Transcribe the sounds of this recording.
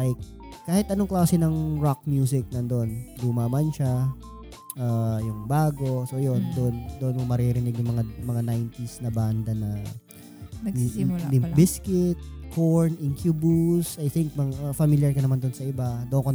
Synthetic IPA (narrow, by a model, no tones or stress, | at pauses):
lajkːaːhɪt̪ʔɐnoŋklaːsɛnɐŋɹak̚mjuːs̬ɪk̚nɐnd̪oʔond̪ʊmamɐnʃa | ʔaːjʊŋbaːɡo̞sojo̞nd̪ond̪oʔonmʊŋmɐɾiɾɪnɪɡjʊŋmɐŋamɐŋanajnt̪isnɐband̪ɐnɐ | lɪbɪskɪt̪̚koɹnʔɪŋkjuːbusʔajθɪŋk̚mɐŋfamiljɐɹkɐnɐmand̪onsɐʔɪbad̪oʔoŋko